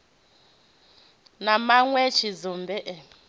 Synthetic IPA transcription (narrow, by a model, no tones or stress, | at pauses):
namaŋwɛt͡ʃʰizɔmbɛʔɛ